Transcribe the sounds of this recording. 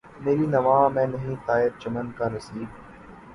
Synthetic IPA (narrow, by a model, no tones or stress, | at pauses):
meːɾiːnɐʋãːmɛ̃ːnɐɦĩːt̪aːɪɾ̚t͡ʃɐmənkaːnɐsiːb